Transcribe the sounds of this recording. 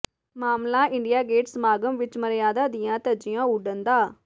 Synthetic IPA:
maːmlaːʔɪ̃ɳɖɪjaːɡeːʈsmaːɡəmʋɪt͡ʃməɾjaːd̪aːd̪ɪjãːt̪əd͡ʒɪjãːʊɖənd̪aː

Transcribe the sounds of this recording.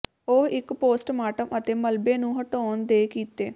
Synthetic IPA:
oɦɪkpoːsʈmaːʈəmʔət̪eːməlbeːnũːɦəʈoːnd̪eːkiːt̪eː

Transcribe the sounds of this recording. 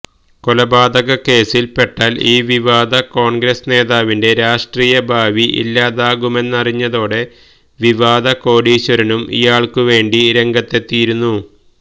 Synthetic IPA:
kolɐbaːd̪ɐɣɐke̞ːsilpe̞ʈːaːliːʋiʋaːd̪ɐko̞ːɳɡɾɐsne̞ːðaːʋinde̞ɾaːʂʈriːjɐbʱaːʋiʔḭlːaːðaːɣume̞nːɐriɲːɐðo̞ːɽe̞ | ʋiʋaːd̪ɐko̞ːɖiːɕɐɾɐnumḭjaːɭkuʋe̞ːɳɖiɾeŋɡɐt̪ːet̪ːijiɾunːu

